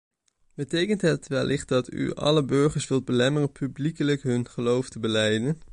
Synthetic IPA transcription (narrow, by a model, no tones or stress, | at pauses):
b̥ətejkəntɦətʋɛlʔɪχt̚dɑty̰ʔɑ̰ləbøɹχəɹsʋɪlˠd̚bəlɛmərənpyblikələkɦɵnχəlowftəbəlɛjdən